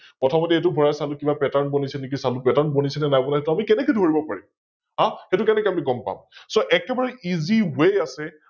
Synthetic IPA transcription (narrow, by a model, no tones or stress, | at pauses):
pɹɔtʰɔmɔtɛetʊbʱɔɹasalʊkibapɛtaɹnbonisɛnek̬isalupɛtaɹnbonisɛnɛnajbɔnahetʊamikɛnɛkɔjdʱoɹibɔpa̰ɹḭm | ɦãxetʊkɛnɛkɛamiɡɔmpa̰msoʔɛkɛbaɹɛʔiziwejasɛ